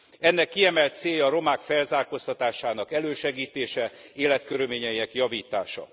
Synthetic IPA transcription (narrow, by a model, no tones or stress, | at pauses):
ɛnːɛkːiɛmɛlt̪seːjːɒːɾo̞maːkfɛlzaːrkost̪ɒt̪aːʃaːnɒkɛløːʃɛɡiːt̪eːʃɛeːlɛt̪køɾylmeːɲɛiɛkjɒviːt̪aːʃɒ̰